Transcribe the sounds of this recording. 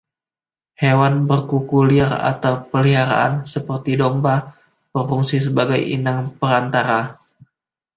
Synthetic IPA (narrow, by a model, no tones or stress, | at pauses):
hewanbərkukuliara̰t̪awpəliɦaɾa̰ʔa̰nsəpərt̪idomba | pərfuŋsis̬əbaɡajḭnaŋpəɾant̪aɾa